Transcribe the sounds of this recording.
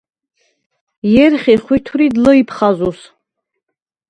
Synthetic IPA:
jɛɾχiχwit̪ʰuɾid̪ləipʰχazus

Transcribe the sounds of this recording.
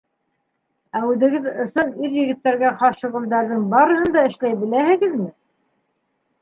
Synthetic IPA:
æʉðɘ̆ɡɘðɤ̆sɤniɾjɘ̆ɡɘ̆t̪ːæɾɡæqɑʃɤ̆ʁŭld̪æɾðɘŋbɑɾɤ̆hɤ̆nd̪ɑɘ̆ʃlæjbɘ̆læhɘ̆ɡɘðmɘ

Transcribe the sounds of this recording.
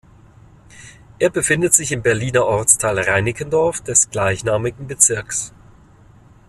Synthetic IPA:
ʔeːɐbəfɪndətz̥ɪçɪmbɛɐliːnɐʔɔɐt͡stʰaːlʁaɪnɪkəndɔɐfd̥ɛsɡ̥laɪçnaːmɪɡŋ̩bət͡sɪɐks

